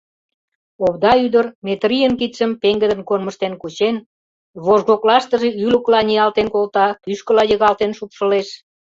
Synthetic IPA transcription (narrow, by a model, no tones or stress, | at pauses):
oβd̪ɑyd̪ərmet̪rijənkit̪ʃəmpeŋɡəd̪ə̆nkonməʃt̪enkut͡ɕen | βoʒɣoklɑʃt̪əʒeyluklɑnʲijɑlt̪enkolt̪ɑkyʃkə̆lɑjəɣɑlt̪enʃupʃəleʃ